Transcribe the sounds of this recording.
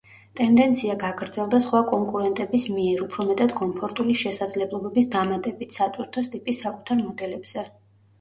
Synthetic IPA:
t̪ʼɛnd̪ɛnt̪sʰiaɡaɡɾd̪zɛlˠd̪asχwakʼɔŋkʼuɾɛnt̪ʼɛbismiɛɾupʰɾɔmɛt̪ʼad̪kʼɔmpʰɔɾt̪ʼuliʃɛsad̪zlɛblˠɔbɛbisd̪amat̪ʼɛbit̪ʰsat̪sʼiɾt̪ʰɔst̪ʼipʼisːakʼut̪ʰaɾmɔd̪ɛlɛbz̥ɛ

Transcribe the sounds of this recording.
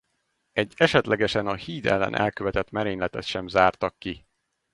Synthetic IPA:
ɛɟːɛʃɛt̪lʔɛɡɛʃɛnɒhiːd̪ɛ̰lːɛ̰nʔɛ̰lkøvɛt̪ɛt̪mɛɾeːɲlɛt̪ɛt̪ʃɛmzaːrt̪ɒkːi

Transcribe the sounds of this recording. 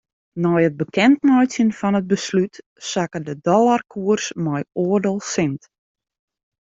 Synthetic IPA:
nɔjəd̚bəkɛntnœɥsjənfɔnəd̚bəslyt | sakədədɔlˠarkʰuərsmɔjoərdəlˠsɪnt

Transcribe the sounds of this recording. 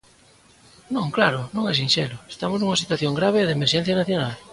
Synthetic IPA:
nõŋklaɾʊnõŋɛs̬inʃɛlʊe̥st̪amoznuŋasit̪waθjoŋɡɾaβeːðemeɾʃɛ̃n̟θjanaθjonal

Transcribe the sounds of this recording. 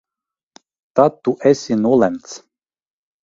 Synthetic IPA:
t̪at̪ːuʔɛsʲinuɔlˠɛmt̪s

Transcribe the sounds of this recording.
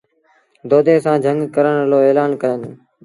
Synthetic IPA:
d̪oːd̪ʱẽːsãːd͡ʒʱəŋɡkəɾəɳɦəloːeːlaːnkəjən

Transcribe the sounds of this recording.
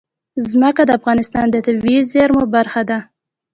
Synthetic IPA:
zməkad̪əafɣɑnɪst̪ɑnd̪ət̪awizeɾmobaɾxad̪a

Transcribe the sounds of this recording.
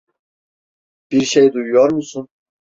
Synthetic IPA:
b̥iɾʃejd̪ujujoɾmusun

